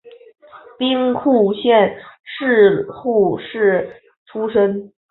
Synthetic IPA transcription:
pi˥ŋkʰu˥˧ɕjɛ˥˧nʂɻ̩˥˧xu˥˧ʂɻ̩˥˩ | ʈ͡ʂʰu˥ʂə˥ŋ

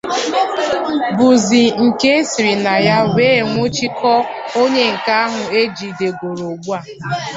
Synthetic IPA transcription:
bu˨zi˨ŋ̩˨ke˦e˦si˨ɾi˨na˨ja˦weː˦˨ŋʷo˦t͡ʃi˦kɔ˦o˦ɲe˦ŋ̩˨ka˦a˦ɦʊ˨e˦d͡ʒi˨de˨ɡo˨ɾo˨ɡ͡bu˦a˨

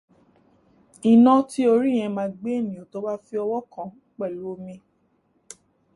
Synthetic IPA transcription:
i˨nɔ̃˧ti˦o˧ɾi˦˨j̃ɛ̃˧mã˧˦ɡ͡be˦e˦˨mĩ˨õ˨to˨˦ba˦fi˧˦ɔ˧wɔ˦kã˨ | k͡pɛ˦˨lo˦mĩ˧

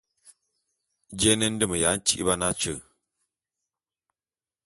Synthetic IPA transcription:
d͡ʒɛ˦nɛ˦n̩˦də˦mə˨ja˨˦n̩˦t͡ʃi˦ʔi˦ba˦na˦t͡ʃə˦˨

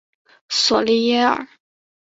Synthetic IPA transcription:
swɔ˨˩li˥jɛ˥ə̰˞˨˩

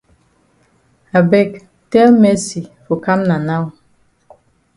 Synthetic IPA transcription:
a˨bɛ˦˨k | tɛ˦lmɛ˦si˨fo˨ka˦mna˨na˦w

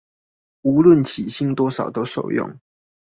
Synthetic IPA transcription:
u˨˧˥lwə˥˨nt͡ɕʰi˨˩ɕi˥˨ŋt̪wɔ˥ʂɑ˨˩ʊt̪o˥˦ʊʂo̰˥˨ʊjʊ̰˨ŋ

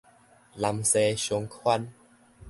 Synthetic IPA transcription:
la˧mse˧ɕo˧ŋkʰwa˥˧n

